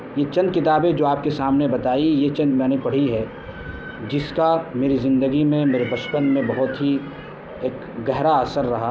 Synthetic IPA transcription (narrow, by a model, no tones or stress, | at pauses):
jet͡ʃɐ̃nd̪̚kɪt̪aːbẽd͡ʒoːaːp̚kesaːmnebɐt̪aːijet͡ʃɐ̃nd̪mɛ̃ːnepɐɽ̤iɦɛ | d͡ʒɪskameːɾizɪ̃nd̪əɡimẽmeːɾebɐʃpənmẽbɐɦʊt̪ɦi | eːk | ɡɛɦɾaəːsəɾːɐɦa